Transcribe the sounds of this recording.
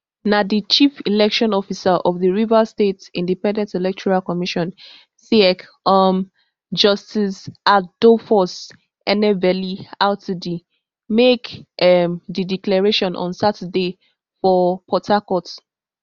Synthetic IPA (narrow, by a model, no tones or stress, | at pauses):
nadit͡ʃifilɛkʃɔ̃nɔfisaʔɔvðiɹivastetĩndipɛ̃ndɛ̃ntɛlɛk̚tʰɔɹalkɔmiʃɔ̃n | siɛk | ɔm | d͡ʒʌstisad̥ofɔs | ɛnɛvɛliaʊtudi | mekʔɛmdidiklɛɹeʃɔ̃nʔɔ̰̃nsatəde | fɔpʰɔtʰakɔt